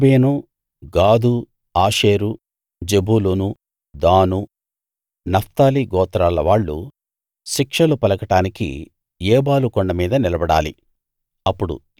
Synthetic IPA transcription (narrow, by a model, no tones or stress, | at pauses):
beːnu | ɡaːd̪u | aːʂeːɾu | d͡ʒe̞buːlunu | d̪aːnu | nɐft̪aːliɡɔːt̪ɾaːlɐʋaːɭːṵ | ʃikʂɐlupɐlɐkɐʈaːnikḭ | jeːbaːlukɔɳɖɐmiːd̪ɐnilɐbɐɽa̰ːlḭ | ɐpːuɽṵ